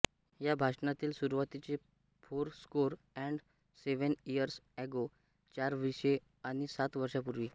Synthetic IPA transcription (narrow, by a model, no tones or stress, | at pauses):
jabʱaʂnat̪iːlsuɾuʋat̪it͡se | fʰoɾskoɾ | ɛ̃ɳɖ | seʋənijəɾsɛɡo | t͡ɕaɾʋiɕe | aɽ̃isat̪ʋəɾʂapuɾʋiː